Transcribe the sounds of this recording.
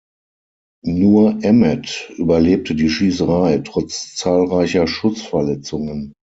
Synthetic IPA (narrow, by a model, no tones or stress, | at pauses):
nuːɐʔɛmɛtʔyːbɐleːp̚tʰədiːʃiːs̬əʁaɪtʁ̥ɔt͡st͡saːlʁaɪçɐʃʊt͡sfɛɐlɛt͡sʊŋən